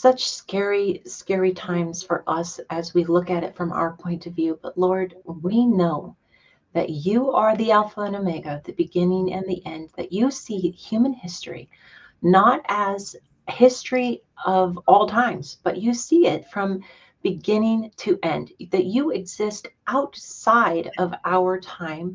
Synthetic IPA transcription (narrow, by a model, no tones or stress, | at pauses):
sʌt͡ʃskɛɹiskɛɹitʰãɪ̃mz̥fə̰˞ʔʌsɨzwilʊkɨɾɨtfɹʌ̃mʔa̰ʊə˞pʰɔ̃ɪ̃ntʰʌvjʉb̥ʌtˡlɔɹd̚winoʊ | ðɨ̰t͡ʃɨə˞ðiɛlˠfəɨ̃nɨmeɪɡoðɨbɨɡɪ̃nɪ̃ŋɨ̰̃nðiʔɛ̃nðɨ̰t͡ʃɨsihj̥ʉmɨ̃nhɪstɹ̥ḭ | nəɾɨz̥ | hɪstɹ̥i | ʌvɔlˠtʰãɪ̃mz̥b̥ʌt͡ʃɨsiɪtfɹʌ̃m | b̥ɨɡɪ̃nɪ̃ŋtʰɨʔɛ̃nðɨt͡ʃɨɨɡz̥ɪstʔaʊtsaɪɾʌvaʊə˞tʰãɪ̃m